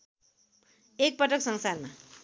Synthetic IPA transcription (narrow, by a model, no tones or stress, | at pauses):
ek̚pʌʈʌksʌŋsarma